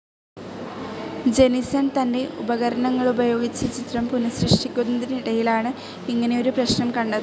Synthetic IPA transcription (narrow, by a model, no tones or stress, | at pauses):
d͡ʑe̞nisɐnt̪ɐnde̞ʔṵbɐɣɐɾɐɳɐŋːɐɭubɐjo̞ːɡit͡ɕːɐt͡ɕit̪rɐmpunɐsrɨʂʈikʲːunːɐðinɐiɽɐjilaːɳɨ | iŋːɐne̞jo̞ɾuprɐɕnɐmkɐɳɖɐ